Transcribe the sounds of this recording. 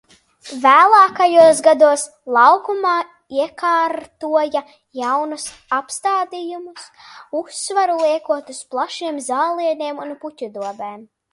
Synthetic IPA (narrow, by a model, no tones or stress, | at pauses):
væːlˠaːkajuɔsɡad̪uɔs | lˠawkumɑː | iɛkaːɾt̪uɔja | jawnus | apst̪aːd̪ijumususːvaɾulˠiɛkuɔt̪usplˠaʃiɛmzaːlˠiɛniɛmunputʲud̪uɔbeːm